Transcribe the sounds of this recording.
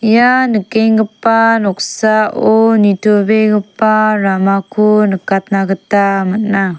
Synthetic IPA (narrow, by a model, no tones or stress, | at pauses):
janəkeŋɡəpanuksaonitobeɡəparamakunəkat̪naɡətaməna